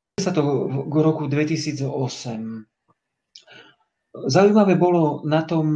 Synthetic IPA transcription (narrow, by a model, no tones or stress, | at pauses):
sat̪ɔɡɾɔkud̪ʋɛcisiːd͡zɔɔsɛm | zaujmaʋɛːbɔlɔnat̪ɔm